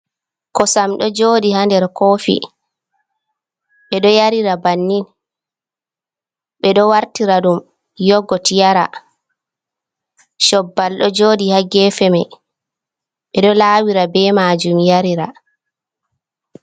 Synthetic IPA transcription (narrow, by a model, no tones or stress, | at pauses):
kɔsamɗɔd͡ʒoːdihandɛɾkoːfḭ | ɓɛɗɔjaɾiɾabanːin | ɓɛɗɔwaɾtiɾaɗum | jɔɡːɔtijaɾa | ʃɔbːalɗɔd͡ʒoːdihaɡɛfɛmɛ | ɓɛɗɔlaːwiɾabɛmaːd͡ʒumjaɾiɾa